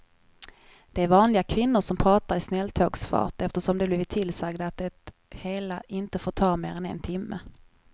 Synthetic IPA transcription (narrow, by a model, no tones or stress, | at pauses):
d̪̥ɛæɾvɑːnlɪɡakʰvɪnːʊʂɔmpʰɾɑːt̪aɾɪsnɛlːt̪ʰoːɡsfɑ̰ːʈɛft̪əʂɔmd̪ɛbliːvɪt̪ʰːɪlsaɡd̪aːt̪̚d̪ɛt̪ | heːlaʔɪnt̪əfoːʈ̪ʰɑːmeːɾɛnɛ̰nt̪ʰɪmːə̰